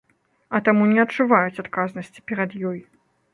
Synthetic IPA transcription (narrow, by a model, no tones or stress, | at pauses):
ɐt̪amunʲɛɐtt͡ʂuvajut͡sʲat̪kaznɐsʲt͡sʲi̥pʲɛɾɐd̪jɔj